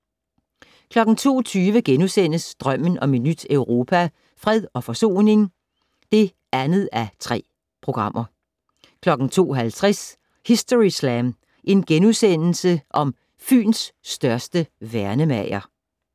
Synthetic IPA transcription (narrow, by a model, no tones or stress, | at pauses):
kʰlɒ̽ɡ̥n̩t͡sʰo̝̰ːt͡sʰyːʋəɡ̥enusenəsd̥ʁɶm̰n̩ʔɒ̽me̝d̥nyd̥œʊʁo̝ːpʰæ | fʁɛð̞ˠɒ̽fɒ̽so̝̰ːne̝ŋ | d̥e̝ | ænð̩ˠæt͡sʰʁɛ̰ː | pʰʁo̝ɡ̥ʁɑ̈m̰ʔɐ | kʰlɒ̽ɡ̥n̩t͡sʰo̝̰ːɦælt͡sʰʁɛs | hisd̥oʁislæm | ʔe̝nɡ̥enusen̰l̩səʔɒ̽m | fy̰ːnsːd̥ɶɐsd̥əʋæɐnəmæɪ̰ɐ